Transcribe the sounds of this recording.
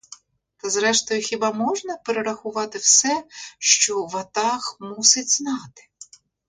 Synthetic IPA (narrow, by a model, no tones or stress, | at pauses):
t̪ɐzɾɛʃt̪ɔjʊxʲibɑmɔʒnɐpeɾeɾɐxʊʋɑt̪ɪwsɛʃt͡ʃɔʋɐt̪ɑxmusɪt͡sʲznɑt̪ɪ̥